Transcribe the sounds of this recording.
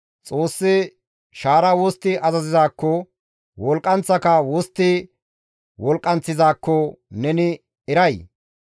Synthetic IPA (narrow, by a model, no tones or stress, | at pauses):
t͡sʼoːsːɪ | ʃaːɾɐwost̪ːɪʔɐzɐzɪzaːkːɔ | wɔlkʼːɐnt͡sːɐkɐwɔst̪ːɪ | wɔlkʼːɐnt͡sːɪzaːkːɔnɛnɪ | ɪɾɐj